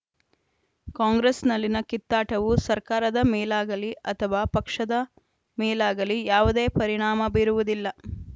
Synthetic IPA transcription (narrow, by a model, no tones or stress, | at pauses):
kaːŋɡɾesnɐlːinɐkit̪ːaːʈɐʋusɐɾkaːɾɐd̪ɐmɛːlaːɡɐliʔɐt̪ʰɐʋaːpɐkʂɐd̪ɐ | mɛːlaːɡɐlijaːʋud̪e̞ːpɐɾiɳ̃aːmɐbiːɾuʋud̪ilːɐ